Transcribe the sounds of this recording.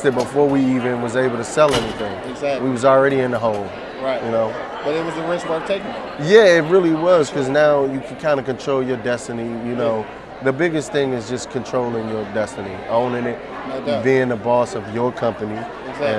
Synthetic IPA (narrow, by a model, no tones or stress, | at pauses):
ɨbəfɔɹwiivɨ̃nwʌzeɪbl̩ˠtʰɨsɛlˠɛniθɪ̃ŋɪzæwiwʌzl̩ˠɹɛɾiɨ̃nðəɦõʊ̃lˠ | ɹaɪtjɨnoʊ | b̥ʌɾɨt̚wʌzɨɹɪswəɹv̥tʰeɪkŋ | jæɪt̬̚ɹɪlˠiwʌz̥kʰʌznaʊjɨkʰɨ̃nkʰãɪ̃ndɨkɨ̃ntʰɹ̥oʊlˠjə˞dɛstɨnijɨnoʊ | ðɨbɪɡɨsθɪ̃ŋɨzd͡ʒʌskʰɨ̃ntʰɹ̥oʊlˠɪ̃ŋjə˞dɛstɨniõʊ̃nɪ̃ŋɪt̚ | biɪ̃ŋðəbɔsʌvjə˞kʰʌ̃mpɨni | ɨ̃